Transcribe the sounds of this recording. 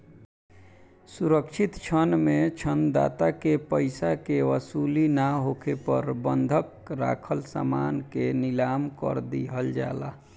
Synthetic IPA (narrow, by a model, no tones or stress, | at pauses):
suɾəkt͡ʃʰit̪t͡ʃʰənmet͡ʃʰənd̪a̰t̪akepəɪsakeʋəsulinaɦokʰepə̰ɾbənd̪ʱək | ɾa̰kʰəlsa̰mankenilamkə̰ɾd̪iɦəld͡ʒa̰la